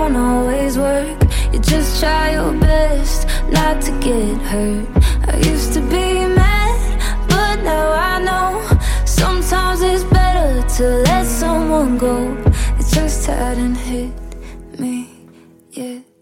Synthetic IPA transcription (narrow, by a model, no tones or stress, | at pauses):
nɔlˠwizwɜ˞kjɨd͡ʒʌstʰɹ̥aɪjə˞bɛst | natʰɨɡɛt̚hɜ˞t̚a̰ɪjʉstɨbimæn | b̥ʌtⁿnaʊaɪnoʊ | sʌ̃mtʰãɪ̃mzɪtsb̥ɛɾə˞ɾəlɛtsʌ̃mwʌ̃nɡoʊɨt̚d̥ʒ̥ʌstʰa̰ɪɾɨ̃nhet̚mi | jæ